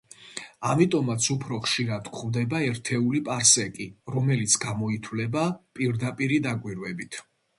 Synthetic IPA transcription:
amit̪ʼɔmat̪sʰupʰɾɔχʃiɾad̪kʰχvd̪ɛbaɛɾt̪ʰɛulipʼaɾsɛkʼiɾɔmɛlit̪sʰɡamɔit̪ʰwlɛbapʼiɾd̪apʼiɾid̪akʼwiɾwɛbit̪ʰ

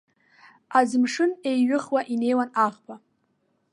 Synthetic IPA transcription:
azɨmʂɨne̞jɥɨχwaʔine̞jwanaʁpʰʼa

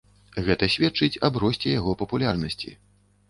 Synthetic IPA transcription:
ɣɛt̪ɐsʲvʲɛtt͡ʂɨt͡sʲabɾɔsʲt͡sʲɛjaɣɔpɐpulʲarnɐsʲt͡sʲḭ

